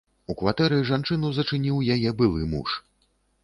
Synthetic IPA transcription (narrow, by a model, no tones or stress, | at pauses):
ukvat̪ɛɾɨʐant͡ʂɨnɐzɐt͡ʂɨnʲiwjajɛbɨlˠɨmṵʂ